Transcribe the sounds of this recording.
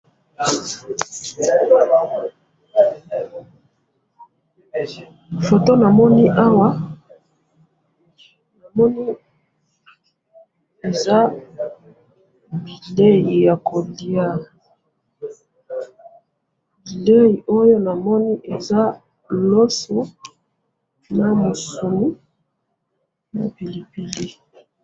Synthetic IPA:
fo˨to˦na˨mɔ˦ni˦ʔa˦wa˦ | na˨mɔ˦ni˦ | e˨za˦ | bi˨le˦ji˨ja˨kʰo˨li˨a˦ | bi˨le˦ji˨ʔo˦jo˦na˨mɔ˦ni˦ʔe˨za˦ | lo˦so˨ | na˨mo˨su˨ni˦ | na̰˨pi˨li˨pi˨li˦

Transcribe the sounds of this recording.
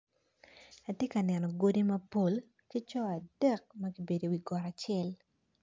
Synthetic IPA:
a˨tje˦ka˨nɛ˨nɔ˨ɡo˦di˦mɐ˦po˦l | ki˦t͡ʃɔ˦a˨d̥ɛ˦k̚mɐ˦ɡi˦be˨do˨wi˨ɡɔ˨ɾa˨t͡ʃɪɛ˦l

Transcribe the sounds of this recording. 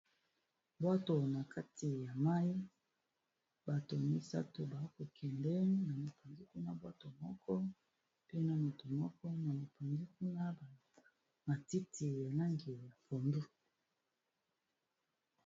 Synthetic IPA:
bwa˦to˨na˨kʰa˦ti˨ja˨ma˦i˦ | ba˨to˨mi˦sa̰˦to˨ba˨˦ko˨kʰɛ˨ndɛ˦na˨mo˨po˨nzi˦ku˦na˦bwa˦to˨mɔ˦kʰɔ˦ | pe˦na˨mo˨to˨mɔ˦kɔ˦na˨mo˨po˨ndi˦k̚u˦na˦˨ | ma˨ti˦ti˨ja˨la˦ŋɡe˨ja˨po˨mdu˦

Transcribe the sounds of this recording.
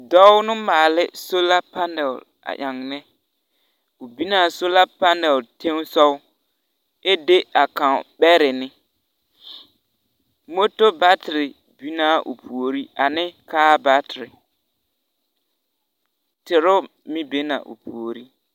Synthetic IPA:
dɔ˦ʊ˦nɪ˦maː˨lɪ˦so˦la˦pa˦nɛ˨l | a̰˨ʔa˨ŋ˨nɛ˦ | ʊ˨bi˦naː˨so˦la˦pa˦nɛ˨te˦ŋ˦sɔ˦ | e˦de˦a˨ka˨ɓɛ˦ɾɪ˨nɪ˦ | mo˦to˦ba˦tɪ˨ɾɪ˨ | bi˦na˦˨ʔʊ̰˨pʰu˨o˨ɾi˦a˨nɪ˦kaː˦ba˦tɪ˨ɾɪ˨ | tɪ˨ɾʊ˦ | mɪ˦be˦na̰˨ʔʊ̰˨pʰu˨o˨ɾi˦

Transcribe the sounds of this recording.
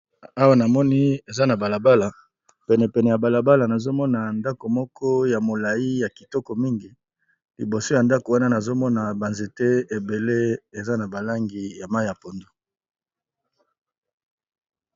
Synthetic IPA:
a˦wa˦na˨mɔ˦ni˦e˨za˦na˨ba˨la˨ba˦la˨ | pɛ˨nɛ˨pɛ˨nɛ˨ja˨ba˨la˨ba˦la˨na˨zo˦mɔ˦na˨nda˦ko˨mɔ˦kʰɔ˦ja˨mo˨la˨ji˦ja˨ki̥˨tɔ˦kɔ˨mi˦ŋɡi˨ | lḭ˨bo˨so˦ja˨nda˦ko˨wa˦na˦na˨zo˦mɔ˦na˨ba˨nze˨te˦e˨be˨le˦e˨za˦na˨ba˨la˦ŋɡi˨ja˨ma˦i˦ja˨po˨ndo˦

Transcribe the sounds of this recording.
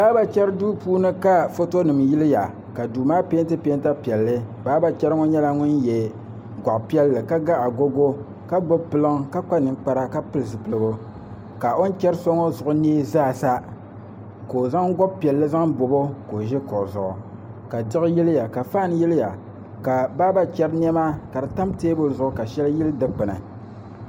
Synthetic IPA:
baː˦ba˨t͡ʃɛ˦ɾɨ˦duː˦puː˦nɨ˦ka˦fo˦to˦nɨ˨mji˦lɨ˦ja˨ | ka˨duː˨maː˦pe˦ntɨ˦pe˦nta˦pi˨ɛ˨lːɨ˦baː˦ba˨t͡ʃɛ˦ɾɨ˦ŋo˦ɲɛ˦la˦ŋʊ˦njɛ˨ | ɡʷa˨ʔpi˦ɛ˦lːɨ˨ka˦ɡa˦ʔa˨ɡo˦ɡo˦ | ka˦ɡ͡bo˦bpɨ˦lɨ˦ŋ˦ka˦k͡pa˦nɨ˨nk͡pa˦ɾa˦ka˦pɨ˦lɨ˨zɨ˨pɨ˨lɨ˨bʊ˨ | ka˨ʔo˦n̩˦t͡ʃɛ˦ɾso˦ŋo˦zʊ˨ʔʊ˦neː˦zaː˦˨sa˦ | ko˨za˦ŋɡɔ˦b̚pi˨ɛ˨lːɨ˦za˦ŋbo˨bo˦ko˨ʒɪ˦kʊ˨ʔzʊ˨ʔʊ˨ | ka˨dɪ˦ɣɨ˦ji˦lɪ˦ja˨ka˨faː˦n˦ji˦lɪ˦ja˨ | ka˨ba˦ba˦t͡ʃɛ˦ɾn˦ɛ˦maː˦ka˨dɨ˨ta˦mteː˦bo˦zʊ˦˨ʔʊ˦ka˨ʃɛ˦lji˦lɨ˦dɨ˦k͡pɨ˨nɨ˨

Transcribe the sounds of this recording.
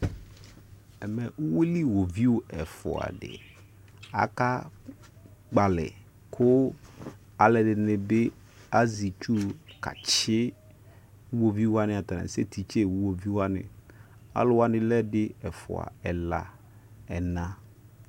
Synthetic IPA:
ɛ˨mɛ˨ʔu˦we˦li˦wo˨vi˦ʊ˨ɛ˨fʊ̰˨a̰˨dɪ̰˨ | a̰˨ka˦ | ɡ͡ba˨lɪ̰˨ | kʰʊ˦ | a˨lɛ˨dɪ˨nɪ˨bɪ˦ | a˦zi˨t͡ʃu˦ka̰˨t͡ʃɪ˦ | wo˨vi˦wa˦nɪ̃˨a˨t̪a˨na̰˨se˦tʰi˨t͡ʃe˦˨wu˦wo˨vi˦wa˦nɪ̰̃˨a̰˦lʊ˨wa˦nɪ̃˨lɛ˦dɪ˦ɛ˨fʊ̰˨a̰˨ɛ˨la̰˨ | ɛ˨nã˦

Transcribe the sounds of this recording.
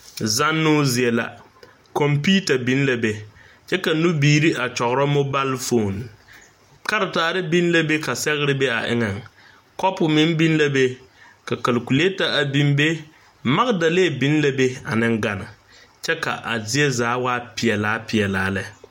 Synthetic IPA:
za˦nːʊ˦zɪ˨ɛ˨la̰˨ | kɔ˨mpiː˦ta˨bi˦n˦la˨be˨ | t͡ʃɛ˦ka˨nu˦biː˦˨ɾi˦a˨t͡ʃɔ˨ɣʊ˨ɾa˦mo˦ba˦lfo˦˨n | ka˦ɾɪ˨taː˨ɾɪ˦bi˦n˦la˦be˦ka˨sɛ˦ɣɪ˦ɾɪ˦be˦a̰˨ʔɪ̰˦ŋɛ˨ŋ | kɔ˦pʊ˨mɪ˦nbi˦nla˦be˦ka˨ka˨lku˨le˦ta˦a˨bi˦mbe˦ | ma˦ɣda˨le˦˨bi˦n˦la˦be˦a̰˨nɪ˦ŋɡa˨nɪ˨ | t͡ʃɛ˦ka̰˨ʔa̰˨zɪ˦ɛ˦zaː˨˦waː˦pɪ˨ɛ˨laː˦piɪ˨ɛ˨laː˨˦lɛ˦

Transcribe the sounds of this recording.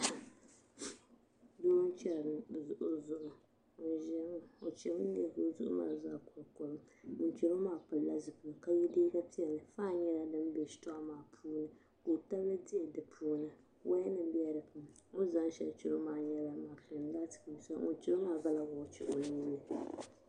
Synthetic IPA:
doː˦n˦t͡ʃɛ˦lɾɨ˨ɨ˨zʊ˨ʔʊ˦zʊ˨ʔʊ˨ | o˨ʒɛ˦m˦o˨t͡ʃɛ˨bɨ˦ɛ˦ɡʊ˦zʊ̰˦ʔʊ̰˦ma̰ː˦˨za˦˨kʊ˨lko˨lʊ˦ | ʊ˨n˦t͡ʃi˨ɾo˦maː˦˨pɨ˨lla˦zɨ˨kɨ˨ɨ˨ka˨jɛ˦deː˦ɡa˦pi˦ɛ˨lɨ˨faː˦˨ɲɛ˦la˦dɨ˦m˦be˦˨stɔ˦a˦maː˨pʰuː˦nɨ˦ | ko˨ta˦blɨ˦di˦˨dɨ˨pʰuː˦nɨ˨ | wʔa˦nɨ˦m˦bi˦ɛ˦ɾɨ˨pɨ˨m | o˦za˦ŋ˦ʃɛ˦lt͡ʃɪ˨lo˦maː˨ɲɛ˦la˦ma˨fi˨n˦ɡaː˦tɨ̥˨kɨ˨i˨sa˦o̰˨nt͡ʃɛ˦lo˦maː˦ɡa˦la˦wʊ˨˦t͡ʃɛ̰˦˨ʔo˨ni˦nːɨ˨

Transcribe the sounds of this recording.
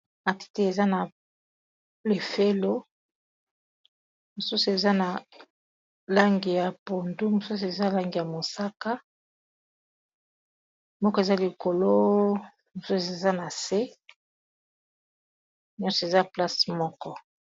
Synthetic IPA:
a˨ti̥˦ti˦e˨za˦na˨ | le˨fe˦lo˦ | mo˨su˦su˨e˨za˦na˨ | la˦ŋɡi˨ja˨po˨ndu˦mo˨su˦s̬u˨e˨za˦la˦ŋɡi˨ja˨mo˨sa˦ka˦ | mɔ˦kɔ˦e˨za˦li˨ko˨lo˦ | mo˨su˦˨e˨za˦na˨se˦ | ɲɔ̃˦sɔ˨e˨za˦pla˦smɔ˦kɔ˦

